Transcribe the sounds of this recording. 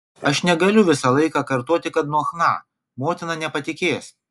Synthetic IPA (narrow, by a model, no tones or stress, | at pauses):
ɐʃnʲɛɡɐlʲʊʋʲɪsɐlˠɐɪkɑːkɐɾt̪oːt̪ʲɪkɐt̪nuɔxnɑ̰ː | moːt̪ʲɪnɑːnʲɛpɐt̪ʲɪkʲeːs